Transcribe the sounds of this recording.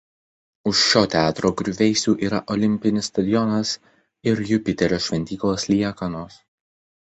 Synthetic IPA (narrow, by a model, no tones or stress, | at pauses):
ʊʃʃoːt̪ʲæːt̪ɾoːɡɾʲʊʋʲɛɪsʲuːʔiːɾɐʔɔlʲɪmʲpʲɪnʲɪsːt̪ɐd̪ʲɪjɔnɐs | ɪɾjʊpʲɪt̪ʲɛɾʲoːʃʲʋʲɛnʲt̪ʲiːklˠoːslʲiɛkɐnoːs